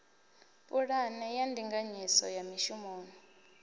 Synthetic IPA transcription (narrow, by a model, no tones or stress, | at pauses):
pʼuɺanɛjandʱiŋɡaɲisɔ̰jamiʃumoːni